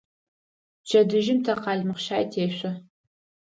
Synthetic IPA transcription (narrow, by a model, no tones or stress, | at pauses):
t͡ʃʰɐdɨʒɪmtʰɐqɑːɮmɨχʃaːjtʰeːɕʷɐ